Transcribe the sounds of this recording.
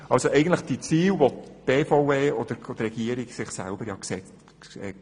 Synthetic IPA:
ʔɑlsoʔɛɪɡən̩tləχd̥it͡siːwʋotb̥eːfowveːɔd̥̪əɾɔd̪rɛɡ̥iəɾiɡsɪχsæ̰lbəɾjɑksɛt͡st | ɛ̰

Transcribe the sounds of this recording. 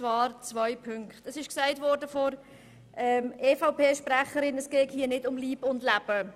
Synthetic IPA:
t͡svɑːɾt͡svœɪpʰʏŋkχtəsɪʃksaɪtvɔɾdəfɔɾ | ʔɛmʔeːfaʊpeːʃpræχəɾɪnəsɡ̥ɛːthiːənɪdʊmliːbʊndlæb̥ə

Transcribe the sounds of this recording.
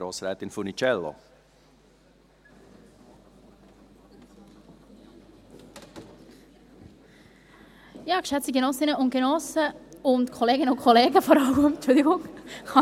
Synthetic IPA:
ɾoːsɾɛːt̪ɪnfunit͡ʃɛlːo̰ | jɑːɡ̥ʃɛt͡stiɡenɔsɪnəʊn̚ɡ̥enɔsəʊntkʰɔleːɡɪnəʊnkʰoleːɡəfɔɾɑlmɛmt͡ʃʊld̪ɪɡʊŋχɑ

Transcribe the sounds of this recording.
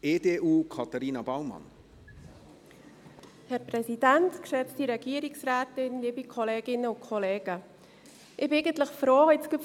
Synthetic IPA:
eːdeːʔuːkʰɑtaɾiːnɑbaʊmɑ̰n | hɛɾprɛsidæntkʃɛt͡stiɾɛɡ̥iəɾɪksraːtɪnliːbikʰɔleːɡ̥ɪnəʊnkʰɔleːɡ̥ə | ʔɪb̥ɪeɪɡəntləχfɾoːhɛtt͡skɪp

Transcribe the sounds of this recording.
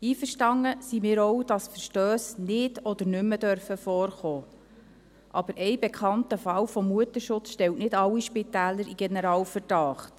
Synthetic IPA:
iːfəɾʃtɑŋəsimɪːɾɔwd̥ɑsfəʃtøːsnɪdɔd̪əɾnʏmːədœɾfəfɔːɾχɔː | ʔɑb̥əɾʔɛjbɛkχɑntəfɑwfɔmːuətəʃʊt͡sʃtɛwtnɪdɑwiʃpitæːləɾiɡ̥ɛnəɾɑːwfəɾd̥ɑːχt

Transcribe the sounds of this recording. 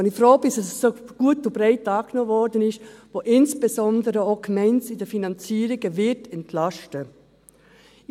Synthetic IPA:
nɪfɾoːbɪsɛsːoɡ̥uːətubɾeɪtɑːɡnoːvɔɾdənɪʃtvoʔɪnsb̥ezɔndəɾəokmɛɪnsɪdəfinɑnt͡siːɾɪɡəvɪtɛntlɑʃtə

